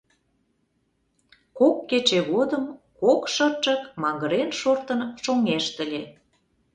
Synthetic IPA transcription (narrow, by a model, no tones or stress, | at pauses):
kokːet͡ɕeɣod̪əmkokʃərt͡ʃə̆kmɑŋɡəɾenʃort̪ənʃoŋeʃt̪ə̆lʲe